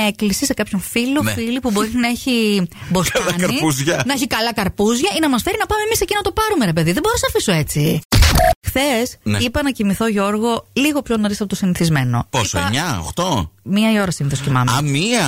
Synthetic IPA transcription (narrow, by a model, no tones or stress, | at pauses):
e̞klisise̞kɐpçoɱfilofilipubo̞ɾinɐeçibo̞sɐlɐnkɐɾipuzʝɐnɐeçikɐlɐkɐɾpuzʝɐinɐmɐsfe̞ɾinɐpɐme̞mise̞cinɐt̪o̞pɐɾume̞ɾe̞peðiðeboɾosɐfisoe̞t͡si | xθe̞sneipɐnɐcimiθo̞ʝo̞ɾɣo̞liɣo̞pçonoɾisɐpot̪osiniθizme̞no̞̰poisoḛɐɲɐo̰xt̪o̞miɐio̞ɾɐsiniθoscimɐ̰mɐ̰miɐ